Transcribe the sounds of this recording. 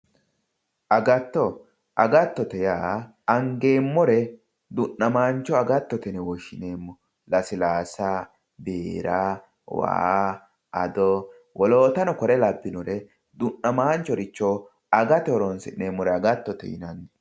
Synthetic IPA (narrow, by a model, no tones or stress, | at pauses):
ʔɐɡɐt̪ːɔ | ʔɐɡɐt̪ːɔt̪ɛjaː | ɐŋɡeːmːɔɾɛ | d̪ʊnːɐmaːnt͡ʃːɔɐɡɐt̪ːɔt̪ɛnɛwɔʃːɪneːmːɔ | lɐsɪlaːsɐ | beːɾa | wa̰ː | ɐ̰d̪ɔ | wɔloːt̪ɐnɔkɔɾɛlɐbːɪnɔɾɛ | d̪ʊnːɐmaːnt͡ʃːɔɾɪt͡ʃːɔ | ɐɡɐt̪ɛɔɾɔnsɪneːmːɔɾɛɐɡɐt̪ːɔt̪ɛ̰jɪ̰nɐn